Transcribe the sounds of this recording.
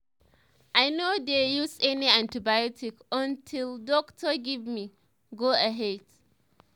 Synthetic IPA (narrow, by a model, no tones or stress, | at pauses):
ʔajnodejusɛniãntibajɔtʰikɔ̃ntʰildɔktʰɔɡivmi | ɡoaɦɛd̥